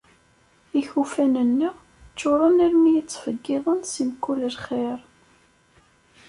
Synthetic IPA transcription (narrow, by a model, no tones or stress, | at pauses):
içufænənːi | t͡ʃːoɾˤəniɾmijit͡sːfəɡːɪðˤənsimkːuləlχeɾ